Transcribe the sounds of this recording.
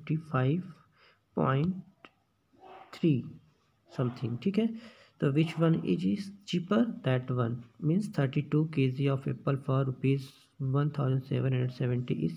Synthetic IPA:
ʈifʰaːɪʋ | pɔ̰̃ːɪ̃ɳʈ | t̪ʰɾiː | sɐ̃mt̪ʰɪ̃ŋɡʈʰiːkɦɛː | t̪oːʋɪt͡ʃʋɐ̃nɪ̰d͡ʒɪzt͡ʃipəɾd̪ɛʈʋɐ̃nmĩːnst̪ʰəɾʈiʈuːkeːziɔːfḛːpəlfɔːɾupeːz | ʋɐ̃nt̪ʰaːʊzə̃ɳɖsḛːʋə̃nɦɐ̃ɳɖəɖsɛʋə̃ɳʈḭʔɪ̰z

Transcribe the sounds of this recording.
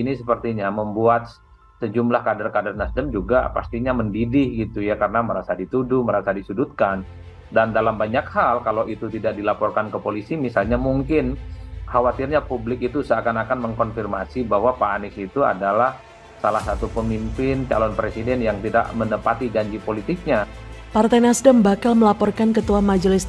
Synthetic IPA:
inisəpərt̪iɲaməmbuat̪̚ | səd͡ʒumlahkadərkadərnasdəmd͡ʒuɡa̰pa̰st̪iɲaməndidɪhɡit̪ujakaɾənaməɾasadit̪udʊhməɾasadisudut̪̚kan | dandalambaɲakhalkalowʔit̪ut̪idak̚dilapɔrkankəpolisimisalɲamuŋkɪnhawat̪irɲapublɪkit̪usakanakanməŋkɔnfirmasibahwapanɪsit̪ua̰dalah | salahsat̪upəmimpɪnt͡ʃa̰lɔnpɾesidɛnjaŋt̪ida̰ʔmənəpat̪id͡ʒaɲd͡ʒipolit̪ɪk̚ɲapart̪ajnasdəmbakalməlapɔrkankət̪uamad͡ʒəlɪs

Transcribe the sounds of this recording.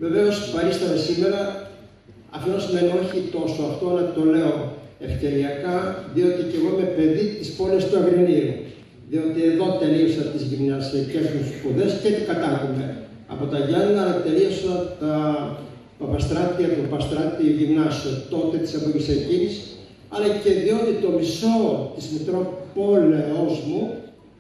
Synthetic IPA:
ve̞ve̞o̞svɐɾist̪ɐmesime̞ɾɐ | ɐ̰ft̪onɐsime̞nio̞çit̪o̞soɐft̪o̞nɐt̪o̞le̞o̞e̞fce̞ɾiɐkɐðio̞t̪ice̞ɣoime̞pe̞ðit̪ispo̞lest̪uɐɣɾiniɾu | ðio̞t̪ie̞ðo̞t̪e̞liosɐt̪izʝimnɐsɐcesust̪u̥spuðe̞stet̪ikɐt̪ɐɣume̞̰ | ɐ̰po̞t̪ɐʝɐnnɐlɐt̪e̞liosɐt̪ɐ | pɐpɐst̪ɾɐt̪iɐt̪upɐst̪ɾɐt̪ioʝimnɐsiot̪o̞t̪et̪i̥seboɾisecis | ɐlɐce̞ðio̞t̪it̪o̞miso̞t̪izmikɾo̞po̞lozmu

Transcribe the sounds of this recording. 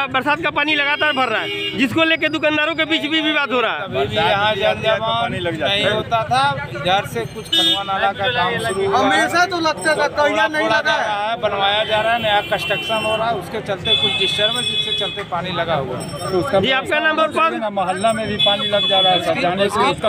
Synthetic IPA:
bəɾsaːd̪̚kapaːnilɐɡaːt̪aːɾbʱɐɾːaɦɛːd͡ʒɪskoleːk̬ed̪ʊkãːnd̪aːɾõk̬ebiːt͡ʃbʱibʱibaːt̪ɦoɾaːɦɛɐbʱibʱijɐɦãd͡ʒaaʋaːnilɐɡd͡ʒaːnɐɦĩɦot̪at̪ʰabʱɪd͡ʒaːɾsekʊt͡ʃʰkɐlmanaːlakaaːmmʃʊɾuəameːʃat̪olɐɡ̚t̪aat̪aanəolaɡaaɦɛbənʋaːjad͡ʒaːɾaɦɛnəjakəsʈəkʃənɦoɾaaɛʊsket͡ʃəlt̪ekʊt͡ʃʰdɪsəɾmẽd͡ʒɪsket͡ʃɐlt̪epaːnilɐɡaɦua̰ | t̪oʊskad͡ʒiːaːp̚kanɐ̃mbəɾpãamɐɦəlːamẽbʱipaːnilɐɡd͡ʒaːɾaɦɛsɐd͡ʒʱanesʊsk

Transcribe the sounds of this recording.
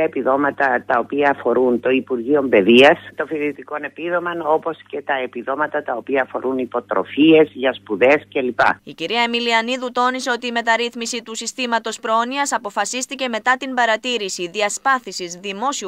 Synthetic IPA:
ɐepiðo̞mɐt̪ɐt̪ɐo̞piɐːfo̞ɾunt̪o̞ipuɾʝio̞mbe̞ðiɐst̪ofiðit̪iko̞ne̞piðo̞mɐno̞po̞sce̞t̪ɐepiðo̞mɐt̪ɐt̪ɐo̞piɐːfo̞ɾʔunipo̞t̪ɾo̞̰fie̞zʝɐspuðe̞scelipɐ̰iciɾiɐemiliɐniðut̪o̞nise̞o̞t̪iːme̞t̪ɐɾiθmisit̪usist̪imɐt̪o̞spɾooniɐsɐpo̞fɐsist̪ice̞me̞t̪ɐt̪imbɐɾɐt̪iɾisiðiɐspɐθisizðimo̞si

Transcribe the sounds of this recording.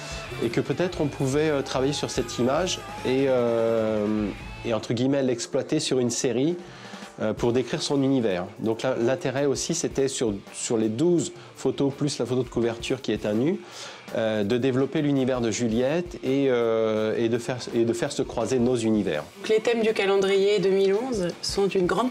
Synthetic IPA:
ekəpøt̪ɛt̪χɔ̃pʰuvɛøt̪χavajesyʁsɛt̪ʰimaʒeø | eɑ̃t̪χəɡʲijmɛlɛksplwat̪esyʁynseʁi | øpuʁd̪ekχiʁsɔ̃nynivɛːʁd̪ɔ̃klalɛ̃t̪eʁɛosiset̪ɛsyʁ | syʁled̪uz | fot̪oplyslafot̪od̪əkuvɛʁt̪ʰyʁkʲiɛt̪ɛ̃ny | ød̪əd̪evlɔpelynivɛʁd̪əʒyljɛt̪eøed̪əfɛʁed̪əfɛʁsəkχwazenozynivɛ̰ːʁ | klet̪ɛmd̪ykalɑ̃d̪ʁijed̪əmilɔ̃zsɔ̃t̪ynɡʁɑ̃d̪

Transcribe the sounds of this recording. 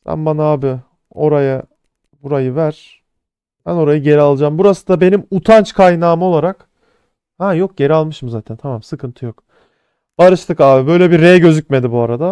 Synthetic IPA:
sæ̰nbanaaːbɪ | o̞ɾaja | buɾajɯvæɾ̥ | b̥æno̞ɾajɯɟe̞ɾialˠɯd͡ʒaːmbuɾasɯd̪abe̞nimut̪ʰant͡ʃkʰajnaːmolˠaɾak | hɛjo̞k̚ɟe̞ɾialˠmɯʃmɯzaːt̪ʰænt̪ʰamamsɯkʰɯnt̪ʰɯjok | b̥aɾɯʃt̪ʰɯkaːbibø̞jlʲɛbiɾːejɟø̞zycʲme̞d̪ibuaɾad̪a

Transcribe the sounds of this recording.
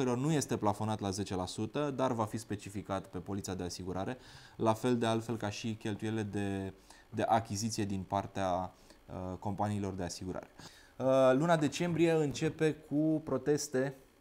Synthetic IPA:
oɾilo̞rnuje̞st̪e̞plafo̞nat̪laze̞t͡ʃe̞lasut̪əd̪arvafispe̞t͡ʃifikat̪pe̞po̞lit̪siad̪e̞asiɡuɾaɾe̞lafe̞ld̪e̞alt̪fe̞lkaʃikʲe̞lt̪ujeile̞d̪e̞ | d̪e̞ʔakʲizit̪sije̞d̪inpart̪ea | ko̞mpaniːlo̞rd̪e̞asiɡuɾa̰ɾe̞ | lunad̪e̞t͡ʃe̞mbɾije̞ɨnt͡ʃe̞pe̞kʰupɾo̞t̪e̞st̪e̞

